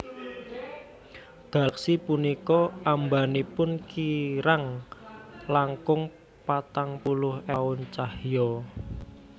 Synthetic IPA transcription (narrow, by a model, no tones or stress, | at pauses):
ɡ̥a̤ksipunikɔʔambanipʊnkiɾaŋ | laŋkʊŋ | pat̪aŋpulʊhaʊnt͡ʃahjɔ